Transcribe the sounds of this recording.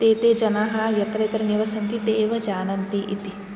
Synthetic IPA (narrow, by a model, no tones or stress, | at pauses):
t̪eːt̪eːd͡ʒɐnaːɦaːjɐt̪ɾet̪ɾɐniʋɐsɐnt̪id̪eːʋɐd͡ʒaːnɐnt̪iʔɪt̪i